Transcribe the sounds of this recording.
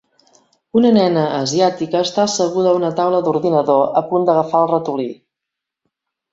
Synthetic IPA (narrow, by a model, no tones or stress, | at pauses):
unənɛnəːziat̪ikəːst̪aəsəɣ̞uðəunət̪awləðuɾðinəðoəpund̪əɣəfaəlˠrət̪uli